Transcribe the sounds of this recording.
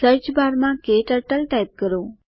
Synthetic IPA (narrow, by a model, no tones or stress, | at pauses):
əɾt͡ʃbaːɾmãkeːʈəʈəlʈaːɪp̚kəɾoː